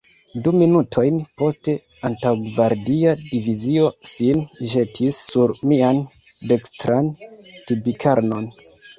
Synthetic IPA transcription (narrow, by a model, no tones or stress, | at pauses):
duminutʰo̞jnpo̞ste̞ | antawɡvaɾdiadivizio̞sinʒe̞tʰisːuɾmian | de̞kstɾantibikʰaɾno̞n